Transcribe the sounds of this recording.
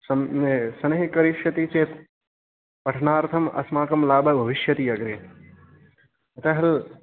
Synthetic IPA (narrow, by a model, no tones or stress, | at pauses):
sɐmsɐnɐɦikɐɾiʃjɐt̪it͡ʃeːt̪ | pɐʈʰnaːɾt̪ʰɐmɐ̰smaːkɐmlaːbʱɐbʱɐʋiʃjɐt̪ijɐɡɾeː | ɐt̪ɐɦɐl